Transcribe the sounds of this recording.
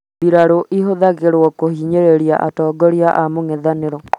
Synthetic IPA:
biɾaɾoʔiɦoðaɣeɾwɔkohiɲeɾeɾja̰ʔa̰tɔːɡɔɾiaʔamoŋɛðaneɾɔ

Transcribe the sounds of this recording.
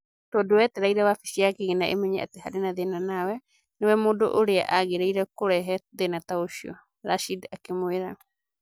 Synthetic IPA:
todoet̪eɾajɾaβafi̥siakeɡenaʔḛmeɲea̰t̪ehaɾenad̪enanawe | nowemodo̰ʔoɾea̰ʔaɡeɾajɾakoɾɛɦɛd̪enataosio̰ | ɾasidakemoeɾa

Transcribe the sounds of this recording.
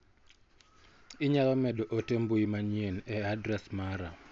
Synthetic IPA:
ɪɲalɔmɛɗoʔotembuimaɲjenɛadɾɛsmaɾa

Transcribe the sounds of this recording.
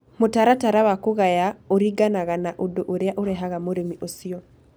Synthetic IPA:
motaɾataɾawakoɣajaoɾiɡanaɣanaʔodoʔoɾejaʔoɾɛɦaɣamoɾemiʔosiɔ

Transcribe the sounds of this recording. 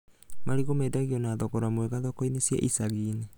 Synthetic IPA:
maɾiɡomedaɡionaːdokoɾamueɡadokojnisieʔisaɡine

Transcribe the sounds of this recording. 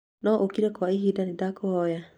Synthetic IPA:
nɔʔokiɾɛkwaiɦiːdaned̪akohɔja

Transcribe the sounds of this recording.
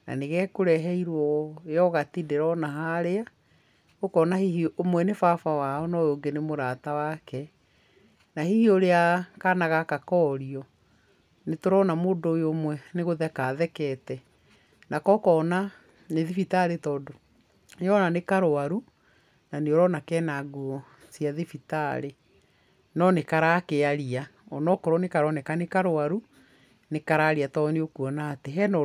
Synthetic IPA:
na̰neɣɛkoɾɛɦɛiɾwɔjɔɣatideɾɔnaɦaɾea | okɔːnahihiomwɛnefafawaɔnɔjoːŋɡenemoɾatawakɛ | nahihioɾeakanaɣakakɔɾiɔ | netoɾɔnamoːdoːjomwɛneɣoðɛkaðɛkɛtɛ | nakɔkɔːna | neðifitaɾetɔːdo | jɔnanekaɾoaɾu | naneoɾɔnakɛnaɡuɔ | siaðifitaɾe | nɔnekaɾakeaɾia | ɔnɔkɔɾɔnekaɾɔnɛkanekaɾoaɾu | nekaɾaɾiatɔneokuɔnaːteɦɛnɔ

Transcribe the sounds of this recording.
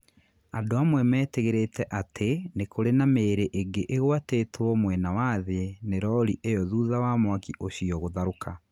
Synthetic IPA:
adoamwɛmɛːteɣeɾetɛʔatʰenekoɾenameːɾeʔeɡeʔeɣwateːtʰwɔmwɛnawaðeneɾɔɾiʔejɔðuːðawamwakiʔoɕiɔɣoðaɾoka

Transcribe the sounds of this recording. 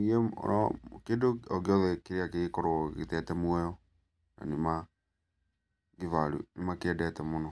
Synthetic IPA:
iɛ̰ɔ̰kedoɔɡeɔðɛkeɾeakekɔɾɔɡḛtɛtɛmwɛɔ | na̰nema | ɡevaɾṵnemakeɛdɛtɛmonɔ

